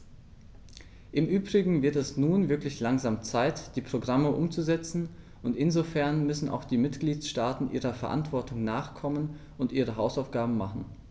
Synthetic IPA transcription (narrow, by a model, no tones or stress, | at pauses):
ʔɪmʔyːbʁɪɡŋ̩vɪɐtɛsnuːnvɪɐklɪçlaŋzaːmt͡saɪtd̥iːpʁ̥oɡʁaməʔʊmt͡suzɛt͡sn̩ | ʔʊntɪnzofɛɐnmʏsn̩ʔa̰ʊxd̥iːmɪtɡ̥liːtʃtaːtn̩ʔiːʁɐfɛɐʔa̰ntv̥ɔɐtʊŋnaːχkʰɔmən | ʔʊntʔiːʁ̞əɦaʊsaʊfɡ̥aːbm̩maχn̩